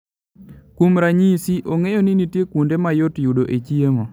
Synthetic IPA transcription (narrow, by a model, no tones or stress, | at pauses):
kumɾaɲisiʔoŋejoninitjekundemajotjudoʔet͡ʃieŋɔ